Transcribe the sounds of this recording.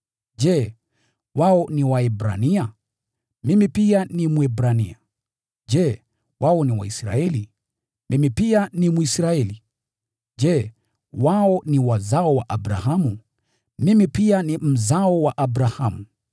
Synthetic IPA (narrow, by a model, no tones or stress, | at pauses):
d͡ʒɛ | waɔniwaɛbɾa̰nia | mimipianimwɛbɾanḭa | ʄɛ | waɔniwa̰isɾa̰ɛli | mʔimipianimuisɾaɛli | d͡ʒɛ | waɔniwazaɔwaʔabɾahamu | mimipianim̩zaɔwaʔabɾahamu